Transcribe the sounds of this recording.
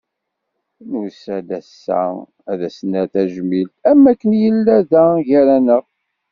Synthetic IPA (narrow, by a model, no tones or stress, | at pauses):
nusæd̪æsːæ̰ | æðæsnæθæʒəmilt̪æmːækːənjəlːæðæʝæɾænəʁ